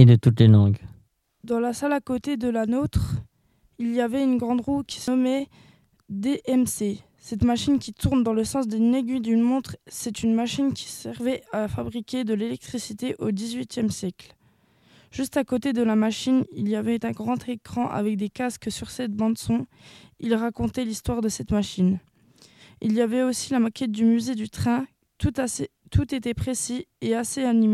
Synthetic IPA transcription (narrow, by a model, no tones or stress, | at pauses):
ed̪ət̪ut̪lelɑ̃ɡ | d̪ɑ̃lasalakot̪ed̪əlanot̪χ | ilijavɛynɡʁɑ̃d̪ʁukʲi̥səɔmɛ | d̪eʔɛmse | sɛt̪maʃinkʲit̪uʁnd̪ɑ̃ləsɑ̃sd̪eneɡʲɥid̪ymɔ̃t̪χsɛt̪ynmaʃinkʲi̥sɛʁvɛafabʁikʲed̪əlelɛk̚t̪χisit̪eʔod̪izɥit̪jɛmsjɛkl | ʒ̥yst̪akot̪ed̪əlamaʃinilijavɛt̪ɛ̃ɡʁɑ̃t̪ʰekχɑ̃ʔa̰vɛk̚d̪ekaskəsyʁsɛt̪̚bɑ̃d̪sɔ̃ilʁakɔ̃t̪ɛlist̪waʁd̪əsɛt̪maʃin | iljavɛosilamakʲɛt̪̚d̪ymyzed̪yt̪χɛ̃ | t̪ut̪a | t̪ʰut̪et̪ɛpχesieaseanima